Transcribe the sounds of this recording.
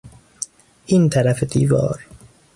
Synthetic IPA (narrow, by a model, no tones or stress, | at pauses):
ʔint̪ʰæɾæfed̪ḭːvɒ̰ːɾ